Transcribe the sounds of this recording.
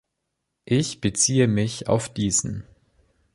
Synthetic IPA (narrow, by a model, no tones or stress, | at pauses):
ʔɪçb̥ət͡siːəmɪça̰ʊfd̥iːzn̩